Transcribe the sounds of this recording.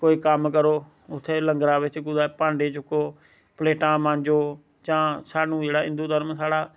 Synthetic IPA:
koːiːkəmkəɾoː | ʊt̪ʰːeːləŋɡɾãːʋɪt͡ʃɡʊd̪aːpãːɳɖeːt͡ʃʊkːoː | pleːʈãːmãːɲd͡ʒoː | d͡ʒãːsaːnũːd͡ʒeːɽaːɪ̰̃nd̪uːd̪əɾmsaːɽaː

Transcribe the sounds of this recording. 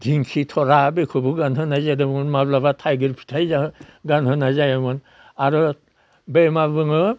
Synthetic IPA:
dʱiŋkʰitʰɔɾabekʰobuɡanɦɯnazadɯbɯnmablabatʰajɡiɾpʰi̥tʰajzaɦɡanɦɯnazajamɯn | aɾɔ | bemabɯŋɯ

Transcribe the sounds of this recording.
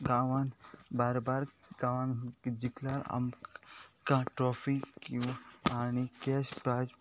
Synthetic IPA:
ɡaːʋanbaːɾbaɾɡãːʋand͡ʒiklaɾa̰m | kãʈɾɔːpʰikianikeːspɾaːd͡ʒ

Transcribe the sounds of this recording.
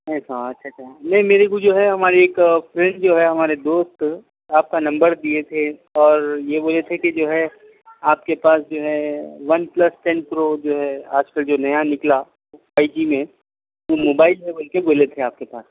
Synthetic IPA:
ɦɛsaɐtːʃʰat͡ʃʰanɐɦĩmeːɾekud͡ʒoːɦɛɦɐmaːɾeeːkfɾɛ̃ɳɖd͡ʒoːɦɛɦɐmaːɾed̪oːst̪ | aːp̚kanɐ̃mbəɾd̪iet̪ʰeɔːɾjeboːlet̪ʰekid͡ʒoːɦɛ | aːp̚kepaːsd͡ʒoːɦɛʋɐnplɐsʈɛ̃npɾod͡ʒoːɦɛa̰ːd͡ʒkəld͡ʒoːnɐjanɪkla | aːɪd͡ʒimẽ | ʋomoːbaːɪlɦɛbɐlkeboːlet̪ʰeaːp̚kepaːs

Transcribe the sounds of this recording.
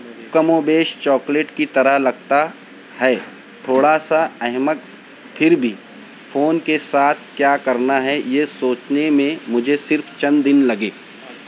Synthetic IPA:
kəmõbeːʃt͡ʃɔːkleːʈkit̪ɐɾəɦlɐɡt̪a | hɛː | t̪ʰoːɽasaɛɦmək̪̚ | pʰɪɾbʱi | foːnkesaːt̪ʰkjaːkɐɾnaɦɛjesoːt͡ʃnemẽmʊd͡ʒʱesɪɾpʰt͡ʃɐ̃nd̪ɪnlɐɡeː

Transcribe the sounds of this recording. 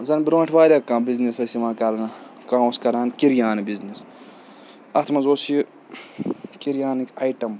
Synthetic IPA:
zɐnbɾoːʈʰʋaːɾʲɐkːãːbiznisɐsʲiʋaːkɐɾɐnɐkãːwskɐɾaːnkiɾjaːnibiznis | ɐt̪ʰmɐzoːs | kiɾjaːnikajʈɐm

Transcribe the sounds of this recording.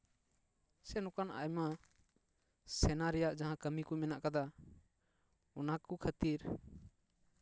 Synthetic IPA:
sɛnɔ̃kana̰jma | sɛnaɾɛjaʔd͡ʒaɦãkəmikɔmɛnaʔkad̪a | ɔnakukʰət̪iɾ

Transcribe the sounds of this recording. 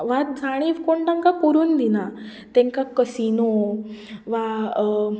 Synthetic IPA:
ʋat̪̚d͡zʱaɽ̃iʋkoɳʈãŋkakuɾuːnd̪ina | t̪ɛ̃ŋkakəsino | ʋa

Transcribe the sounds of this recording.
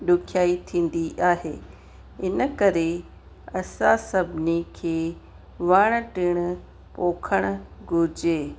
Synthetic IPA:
ɗʊkʰjaːit̪ʰĩːn̆d̪iʔaːɦḛː | ɪnə̆kɐɾe | ɐsãsɐbʱɪnikʰeː | ʋaɽ̃̆ʈɪɽ̃ | poːkʰəɽ̃ʊ̆ɡʱʊd͡ʑeː

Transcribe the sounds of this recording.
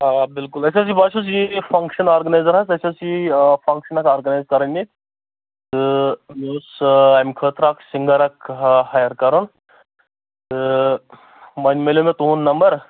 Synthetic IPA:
abilkulɐsʲas̬ibaʃʰos̬jifɐŋkʃɐnaːɾɡɐnajzɐɾɦɐsɐsʲɐsifʰɐŋkʃɐnɐkaːɾɡɐnajzkɐɾɐnʲːi | t̪ɨmoːsɐmkʰəːt̪ɾaksiŋɡɐɾɐkhajɐɾkɐɾɐn | t̪ɨ | mɐnʲmelʲomet̪uːnːɐmbɐɾ

